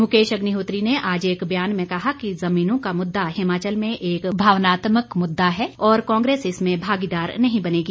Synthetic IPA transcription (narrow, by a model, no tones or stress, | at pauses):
mʊkeːʃɐɡniɦoːt̪ɾineʔaːd͡ʒeːkbjaːnmẽkɐɦakizɐmiːnõkamʊd̪ːaɦɪmaːt͡ʃəlmẽʔeːkbʱaːʋnaːt̪məkmʊd̪ːaɦɛːɔːɾkãːŋɡɾeːsɪsmẽbʱaːɡid̪aːɾnɐɦĩbɐneːɡiː